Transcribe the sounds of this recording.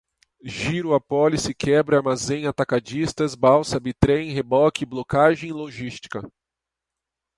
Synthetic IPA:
ʒiɾʊapɔlisɪkʰɛbɾɪaɾmazẽj̃at̪akad͡ʒist̪ɐzbawsɐbit̪ɾẽj̃ɦebɔkɪblokaʒẽj̃loʒist͡ʃi̥kɐ

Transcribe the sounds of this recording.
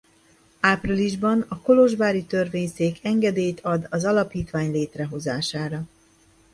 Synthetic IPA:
aːpriliʒbɒnɒko̞lo̞ʒbaːɾit̪ørveːɲseːkʰɛŋɡɛd̪eːjt̪ʰɒd̪ɒzɒlɒpiːt̪ʋaːɲleːt̪rɛɦo̞zaːʃaːɾɒ

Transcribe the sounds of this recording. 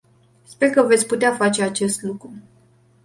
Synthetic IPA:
spe̞rkəvet̪sʲput̪eafat͡ʃe̞at͡ʃe̞st̪lukɾu

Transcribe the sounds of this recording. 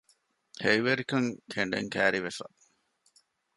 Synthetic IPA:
hejʋeɾikɐŋkʰeɳɖḛŋkæːɾiʋefɐ̰

